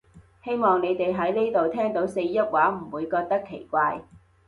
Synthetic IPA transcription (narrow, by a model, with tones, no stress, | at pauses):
he˥jmɔː˨˩ŋne˨˧jt̪e˨jɦɐ˨˥jneː˥t̪o˨wt̪ʰɛː˥ŋt̪o˨˥wse˧jjɐ˥t̚waː˨˥m̩˨˩wuː˨˧jkɔː˧k̚t̪ɐ˥kʰːe˨˩jkʷaː˧j